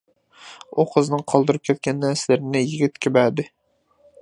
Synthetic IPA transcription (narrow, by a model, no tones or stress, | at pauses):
uqʰəznɨŋqʰɑlˠd̪ɨɾɨp̚kʲʰɛt̪̚kʲɛnːæɾsɪlɪɾɪnɪjiɡʲɪt̪kʲʰɪbæɾd̪ɪ